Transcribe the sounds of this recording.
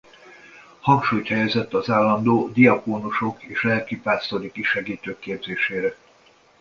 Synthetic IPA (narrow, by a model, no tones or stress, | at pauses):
hɒŋkʃuːjt̪hɛjɛzɛt̪ːɒzaːlːɒnd̪oːd̪iɒkoːnuʃo̞keːʃlɛlkipaːst̪oɾikiʃɛɡiːt̪øːkːeːbzeːʃeːɾɛ